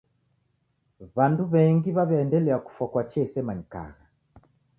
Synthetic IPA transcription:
βanduβɛŋɡiβaβɛɛndɛlɛaku̥fwakwat͡ʃɛsɛmaɲika̰ɣa

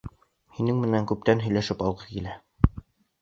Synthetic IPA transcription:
hinɘŋmɘ̆næŋkʉp̚t̪ænɦɵ̆jlæʃɘpɑlˠʁɤkilæ

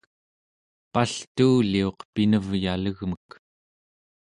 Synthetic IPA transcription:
paɬt̪uːlio̞qpinəvjaləɣmək

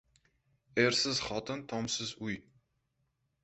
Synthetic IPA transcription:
ersəzχɔt̪ənt̪ʰɔmsəzuj

